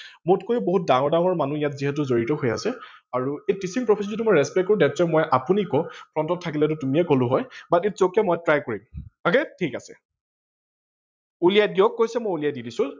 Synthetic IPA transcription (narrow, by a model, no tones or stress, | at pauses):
mʊtkojuboɦut̚daŋɔɹdaw̃ɔɹmanuijatziɦɛt̬ʊzoɹitɔɦoja̰sɛaɹuejtisiŋpɹɔpʰis̬ɔnzitumɔjɹɛspɛkːoɹũdɛtzɔmɔjʔapunikɔpɹɔntɔtʰːakilɛt̬ʊtumiɛkolʊɦɔjbatit̚z̥okjɛmɔjtɹajkoɹimɔkɛtʰikasɛ̰ | ulijajdijɔkːojsɛmojulijajdidisʊ̃